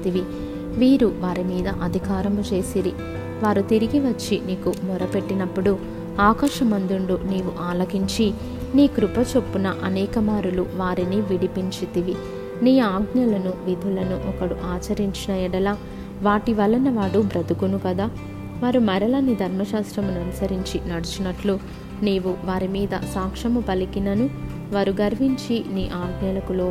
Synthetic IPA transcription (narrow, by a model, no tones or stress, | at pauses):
t̪iʋi | ʋiːɾuʋaːɾimiːd̪ɐʔɐd̪ʱikaːɾɐmut͡ʃe̞ːsiɾi | ʋaːɾut̪iɾiɡiʋɐt͡ʃːiniːkumɔɾɐpe̞ʈːinɐpːuɽu | aːkaːʃɐmɐnd̪uɳɖuniːʋuʔaːlɐɡiɲt͡ʃi | niːkɾupɐt͡ʃopːunɐʔɐnɛːkɐmaːɾuluʋaːɾiniʋiɽipiɲt͡ʃit̪iʋi | niːaːɡnɐlɐnuʋid̪ʱulɐnuʔɔkɐɽuʔaːt͡ʃɐɾiɲt͡ʃinɐjɛɽɐlaː | ʋaːʈiʋɐlɐnɐʋaːɽubɾɐd̪ukunukɐd̪aː | ʋaːɾumɐɾɐlɐnid̪ʱɐɾmɐʃaːst̪ɾɐmunɐnusɐɾiɲt͡ʃinɐɽut͡ʃunɐʈlu | niːʋuʋaːɾimiːd̪ɐ̰saːkʂɐmupɐlikinɐnu | ʋaːɾuɡɐɾʋiɲt͡ʃiniːʔaːɡnɐlɐkuloː